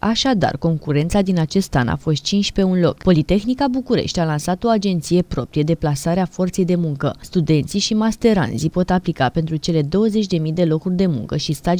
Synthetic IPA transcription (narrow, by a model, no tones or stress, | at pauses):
aʃad̪a̰rko̞ŋkuɾe̞nt̪sad̪inat͡ʃe̞st̪a̰na̰fo̞st̪̚t͡ʃint͡ʃpe̞unlo̞̰kpo̞lit̪e̞xnikabukuɾe̞̰ʃt̪ʲalansat̪o̞ad͡ʒe̞nt̪sije̞pɾo̞pɾije̞d̪e̞plasaɾeafo̞rt̪se̞jd̪e̞muŋkəst̪ud̪e̞nt̪siʃimast̪e̞ɾa̰nzipo̞t̪aplikape̞nt̪ɾut͡ʃe̞le̞d̪o̞wəze̞t͡ʃʲd̪e̞mijd̪e̞lo̞kurʲd̪e̞mṵŋkəʃist̪a